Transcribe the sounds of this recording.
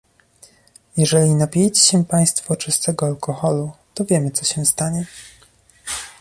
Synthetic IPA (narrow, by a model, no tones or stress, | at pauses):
jɛʐɛlʲinapʲjɛjt͡ɕeɕɛpaj̃st̪fɔt͡ʂɘst̪ɛɡɔalkɔxɔlut̪ɔvʲjɛmɘt̪sɔɕɛ̃st̪aɲɛ